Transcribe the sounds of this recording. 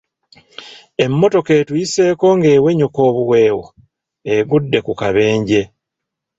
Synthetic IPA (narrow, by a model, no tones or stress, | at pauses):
e̞mːo̞to̞keːtuise̞ːko̞ŋɡe̞ːwe̞ɲuko̞ːβuwe̞ːwo | eɡudːe̞kukaβe̞ːɲɟe̞